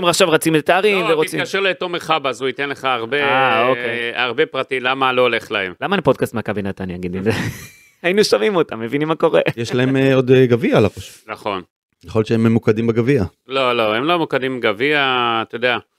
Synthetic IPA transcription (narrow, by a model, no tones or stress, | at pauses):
emʁaχʃavʁat͡simet̪at̪eaʁimveʁot͡siaʃeʁlet̪omeχabazuit̪enleχaːʁbeaokejaʁbe̞pʁatimlamaloːle̞χlaemlamanipo̞d̪̚kast̪makabinat̪anjaɡid̪imze | ainuʃamimo̞t̪amːe̞vinimːako̞ʁe̞̰jeʃlae̞meo̞d̪ɡavialapaʃu̥tnaχo̞n | jeχojʃeememːukadimbeɡavia | lo̞lo̞hemlomukad̪imbɡaviat̪ojod̪ea